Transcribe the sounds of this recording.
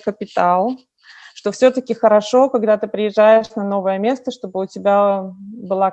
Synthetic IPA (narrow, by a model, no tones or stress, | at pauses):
kəpʲɪt̪alˠ | ʂt̪ofsʲot̪əkʲɪxəɾɐʂo̞kɐɡd̪at̪ɨpɾʲɪjɪʐːajɪʂnɐno̞vəjəmʲest̪əʂt̪o̞bɨʊtʲɪbʲabɨlˠa